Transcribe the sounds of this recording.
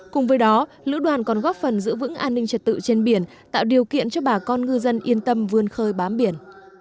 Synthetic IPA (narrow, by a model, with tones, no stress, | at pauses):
kʊ˨˩ŋ͡mvəː˨˦jɗɔ˨˦ | lɨ̰˧˥ɗwaː˨˩nkɔ˨˩nɣɔ˦˥p̚fə˨˩nzɨ̰˧˥əvɨ̰˧˥ŋʔaː˧nːï˧ŋt͡ɕə˨˩t̚t̪ɨ̰˧˨t͡ɕe˧nɓi˧˩ən | t̪a̰ː˧˨wɗi˨˩əwkḭ˧˨ənt͡ɕɔ˧ɓaː˧˩kɔ˧nŋɨ˧zə˧nʔi˧ənt̪ə˧mvɨ˧ənxəː˧jɓaː˨˦mɓi˧˩ən